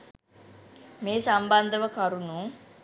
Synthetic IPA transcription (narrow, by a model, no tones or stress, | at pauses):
meːsamband̪əʋəkaɾunuː